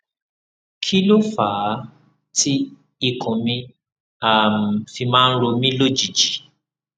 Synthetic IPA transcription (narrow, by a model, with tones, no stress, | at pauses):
kʰi˦lo˦fa˨˦ | tʰi˦ | i˧kʰũ˨mĩ˧ | a˨m̩˨fi˧mãː˦˧n̩˦ɾo˧mĩ˦lo˦d͡ʒi˨d͡ʒi˨˦